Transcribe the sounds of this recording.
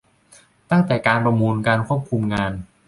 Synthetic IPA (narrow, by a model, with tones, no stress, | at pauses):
t̪a˥˩ŋt̪ɛː˨˩kaː˧npɾa˧muː˧nkaː˧nkʰu˥˩əp̚kʰu˧mŋaː˧n